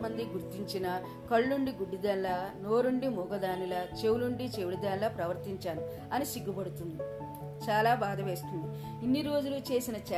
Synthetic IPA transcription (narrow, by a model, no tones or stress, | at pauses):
mɐnd̪iɡuɾt̪iɲt͡ʃinɐ | kɐɭːuɳɖiɡuɖːid̪ɐnlɐno̞ːɾuɳɖimuːɡɐd̪aːnilɐt͡ʃe̞wluɳɖit͡ʃeʋiɽid̪ɐːnlɐpɾɐʋɐɾt̪iɲt͡ʃaːnu | ɐnisiɡːubɐɽut̪und̪i | t͡ʃaːlaːbaːd̪ɐʋe̞ːst̪und̪i | inːiɾo̞ːd͡ʒulut͡ʃe̞ːsinɐt͡ʃɛ